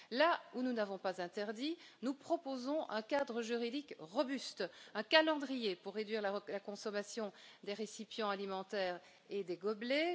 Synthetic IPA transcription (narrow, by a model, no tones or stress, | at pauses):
laununavɔ̃pazɛ̃t̪ɛʁd̪inupχɔpozɔ̃ʔɛ̃kad̪ʁəʒyʁid̪ikʁɔbyst̪ɛ̃kalɑ̃d̪ʁijepuʁːed̪ɥiʁlalakɔ̃sɔmasjɔ̃d̪eʁesipjɑ̃alimɑ̃t̪ɛːʁ | ed̪eɡɔble